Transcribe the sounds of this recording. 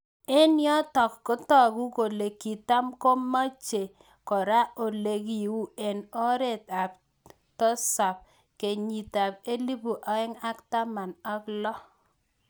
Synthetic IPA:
e˦njɔ˦tɔ˨kːo˦tɔ˨ku˦ko˨le˨kːi˨ta˦mko˦ma˦t͡ʃe˨ | kɔ˨ɾa˦o˨le˨ki˨wu˦e˨no˦ɾe˨t̪a˨p̚ | tɔ˦sa˨p̚ | ke˨ɲi˨ta˨p̚e˦li˦pu˨ʔa˨˦ɪ˦ŋa˦kta˦ma˨na˦klɔ˦

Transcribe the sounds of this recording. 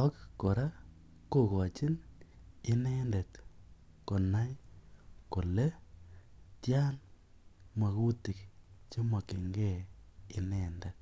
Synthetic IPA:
ɔ˦kko˨ɾa˦ | ko˦˨kɔ˨t͡ʃi˦n | i˦nɛ˦nde˨t | ko˨na˦j | ko˨le˦ | tja˦n | ma˨ku˦ti˨kt͡ʃi˦ma˨ke˨ŋɡe˦˨i˨˦nɛ˦˨nde˨t̚

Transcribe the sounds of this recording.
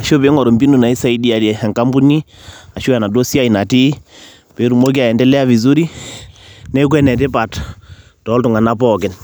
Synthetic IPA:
a˨ʃo˦be˨˦ŋɔ˨ɾɔ˨mbi˦nu˨na˨i˦sa˦i˦di˦a˨dɛ˨ɛ˨ŋka˦mbu˦ni˦ | a˨ʃo˦a˨na˨do˦si˦a˦i˨na˨ti˦ | pe˨˦ɾu˨mo˦k̬i˦a˨ɛ˨ndɛ˦lɛ˦a˦βi˨zu˦ɾi˦ | nɛ˦k̬wɛ˦nɛ˨t̬ɛ˦pa˨t | tɔ˨˦ltu˨ŋa˨na˦pɔ˨kɪ˨n

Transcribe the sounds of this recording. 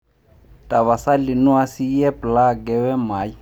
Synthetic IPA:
tʼa˨βa˨sa˦lɪ˨nu˦a˦si˦jɛ˦pʼla˦ɡɛ˦wɛ˦maː˨˦ji˦

